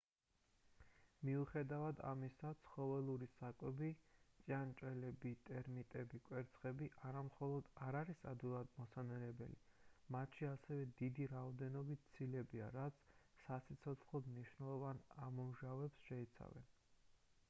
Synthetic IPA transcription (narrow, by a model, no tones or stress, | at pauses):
miuχɛd̪avad̪a̰misat̪sʰχɔvɛlˠuɾisakʼwɛbit̪sʼjant͡ʃʼɛlɛbit̪ʼɛɾmit̪ʼɛbikʼwɛɾt̪sʰχɛbiʔaɾamχɔlˠɔd̪aɾaɾisad̪vilˠad̪mɔsanɛlɛbɛlimat̪ʰʃiasɛvɛd̪id̪iɾaɔd̪ɛnɔbit̪̚ʰt̪sʰilɛbia̰ɾat̪sʰ | sasʰit̪sʰɔt̪ʰχlɔd̪mniʃwnɛlˠɔvanamɔmʒavɛpsʃɛit̪sʰa̰vɛ̰n